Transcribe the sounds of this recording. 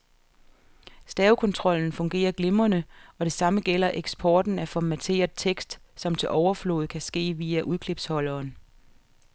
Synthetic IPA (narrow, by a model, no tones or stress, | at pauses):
sd̥ɛːʊkʰɔ̽nt͡sʰʁɒ̽l̰n̩fɔ̽ŋɡ̥e̝̰ːɐɡ̥le̝mɐnəɒ̽ɾ̥e̝sɑ̈məɡ̥el̰ɐʔeɡ̥sb̥ʰɒːd̥n̩æfɒmæt͡sʰe̝̰ːɐð̩ˠt͡sʰeɡ̥sd̥sɒ̽mt͡sʰe̝lʔɒʊɐflo̝ːð̞̩ˠkʰæsɡ̥e̝̰ːʋiːæʔuðˠkʰle̝b̥shɒ̽l̰ɐːn